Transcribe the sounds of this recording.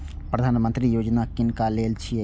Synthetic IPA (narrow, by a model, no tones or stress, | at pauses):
pɾɐd̪ʱaːnɐmɐnt̪ɾijoːd͡ʒɐnaːkinkaːleːlt͡ʃʰi